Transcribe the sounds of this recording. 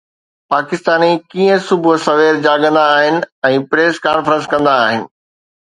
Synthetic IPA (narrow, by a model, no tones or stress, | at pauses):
paːkɪst̪aːnikiːə̃sʊbʱʊsɐʋeːɾd͡ʑaːɡə̃nd̪aːɦɪnɪ̆ɛ̃ːpɾeːskaːnfəɾə̃nskɐ̃nd̪aːɦɪnɪ̆